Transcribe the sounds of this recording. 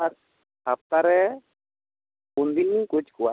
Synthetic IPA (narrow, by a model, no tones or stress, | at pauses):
aɾ | ap̚t̪aɾɛ | und̪inĩkut͡ʃkua